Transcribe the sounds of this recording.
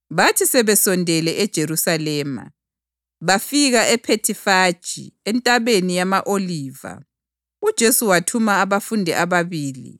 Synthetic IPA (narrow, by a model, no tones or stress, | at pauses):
βatʰisɛβɛsɔndʱɛlɛʔɛd̥ʒ̥ʱeɾusalɛːma̰ | βafiɣaʔɛpʰetʰifad̥ʒ̥ʱḭɛntʼaβenijamaʔoliːva̰ | ud̥ʒ̥ʱesuwatʰumaːβafundʱɛʔaβaβiːlḭ